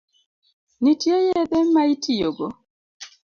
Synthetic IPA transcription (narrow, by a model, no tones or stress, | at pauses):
nitjejedɛmaitijoɡo